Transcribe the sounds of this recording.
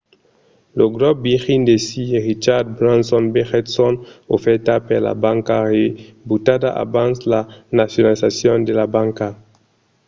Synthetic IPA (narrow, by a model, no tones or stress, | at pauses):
loɡɾɔp̚biʁind̪esieʁit͡ʃaɾd̪̚bɾãnsɔnbeʁet̪sɔnofɛɾt̪apeɾla̰bãŋkarebutad̪aʔa̰bãnslanasjonalisasjɔnd̪elabãŋka